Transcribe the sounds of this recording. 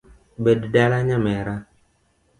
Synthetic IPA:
bəddalaɲamɛɾa

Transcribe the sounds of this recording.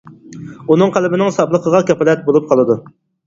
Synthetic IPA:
unɨŋqʰælɪbɪnɪŋsɑblˠəqʰəʁɑkʲɛpɑlɛt̪̚bolˠup̚qʰɑlˠɨd̪u

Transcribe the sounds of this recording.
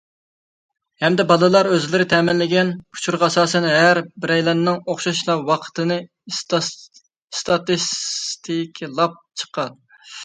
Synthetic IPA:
hɛmd̪ɛbɑlˠɨlˠɑɾøzlɪɾɪt̪ʰɛːmɪnlɪɡʲɛnpʰu̥t͡ʃʰuɾʁɑɑsɑːsɛnɦæɾbɪɾɛjlɛnːɪŋoχʃɑʃlˠɑwɑqʰə̥t̪ʰɨnɨ | st̪ɑt̪ist̪ʰikʲʰlˠɑp̚t͡ʃʰə̥qʰɑn

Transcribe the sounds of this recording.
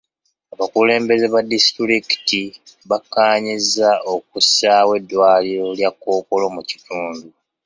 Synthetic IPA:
aβakule̞ːmbe̞ze̞βadistɾiki̥tiβakːaːɲizao̞k̚usawe̞dːwaːliɾo̞ljakːo̞ːko̞lo̞muci̥tʰuːndu

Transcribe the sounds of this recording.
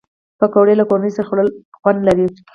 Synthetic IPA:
pakawɽelakoɾanəjsaɾaxoɽəl | xwand̪laɾi

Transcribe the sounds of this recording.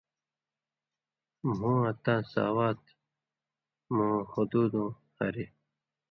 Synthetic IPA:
m̤ũːɐt̪ãːsa̰ːwaːt̪ | mũːxod̪uːd̪õː | hɐɾi

